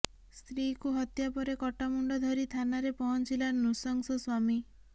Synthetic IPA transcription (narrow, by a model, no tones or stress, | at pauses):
st̪ɾikuɦɔt̪japɔɾekɔʈamuɳɖɔd̪ʱɔɾit̪ʰanaɾepɔɦɔnt͡ʃilanusɔŋsɔswami